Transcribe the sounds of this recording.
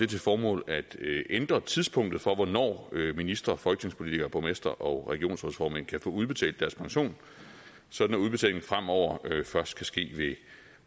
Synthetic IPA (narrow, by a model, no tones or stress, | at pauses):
d̥e̝t͡sʰe̝fɒːmɔ̰̽ːlæd̥end̥ʁɐt͡sʰiðˠspʰɔ̽ŋ̰d̥ð̩ˠfɒ̽ʋɒnɒ̰ːøminisd̥ʁɐfɒ̽lɡ̥ne̝ŋspʰo̝lit͡sʰiɡ̥ɐpʰɒ̽mesd̥ɐʔɒ̽ʁɛɡ̥io̝̰ːnsoðˠfɒːmæn̰kʰæfɔ̰̽ːuð̞ˠb̥e̝t͡sʰɛ̰ːld̥æɐspʰɑ̈ŋɕo̝̰ːn | sɒ̽d̥næuðˠb̥e̝t͡sʰɛ̰ːle̝ŋn̩fʁam̰ɒʊ̰ɐøfɶɐsd̥̚kʰæsɡ̥e̝̰ːʋe̝